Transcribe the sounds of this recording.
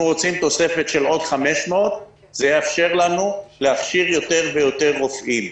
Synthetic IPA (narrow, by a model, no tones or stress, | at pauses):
nuʁot͡simt̪o̞se̞fe̞t̪ʃe̞lo̞d̪χame̞ʃmeot̪ | z̥ejeafʃe̞ʁlanuleaχʃiʁjo̞t̪e̞ʁve̞jo̞t̪e̞ʁːofʔim